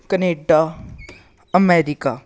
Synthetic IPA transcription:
kəneːɖa | əmɛːɾika

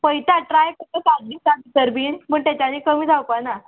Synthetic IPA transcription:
pəjt̪aʈɾajkət̪əsaɡlisaikəɾbiːnməːɳʈt̪jat͡ɕaniːkəmiːd͡zʱawpana

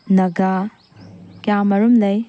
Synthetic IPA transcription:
nɐɡa | kjamɐɾumlɐj

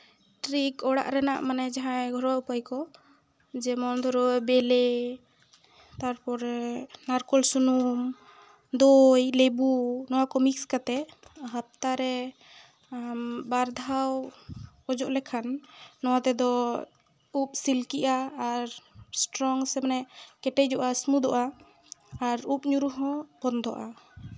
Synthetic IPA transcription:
ʈɾikɔɽa̰ʔɾɛna̰ʔmanɛd͡ʒaɦãɛɡʱɔɾɔupajkɔ | d͡ʒɛmɔnd̪ʱɔɾɔɛbɛlɛ | t̪aɾpɔɾɛnaɾkɔlsunum | d̪ojlebunɔwakɔmikskat̪ɛɦəp̚t̪aɾɛ | baɾd̪ʱaw | ɔd͡ʒɔʔlɛkʰanːɔwat̪ɛd̪ɔ | up̚silkiʔaːɾsʈɾɔŋsɛmanɛʔkɛʈɛd͡ʒɔʔasmud̪ɔʔaː | ɾup̚ɲuɾuɦɔ̃bɔnd̪ʱɔ̰ʔa̰

